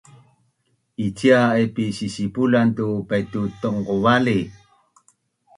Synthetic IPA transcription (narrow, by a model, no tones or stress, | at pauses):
it͡ɕiaepisisipulantupajtutoŋkuvali